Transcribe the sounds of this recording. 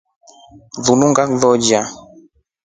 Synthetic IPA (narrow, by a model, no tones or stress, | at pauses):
ðunuŋɡakðɔd͡ʒa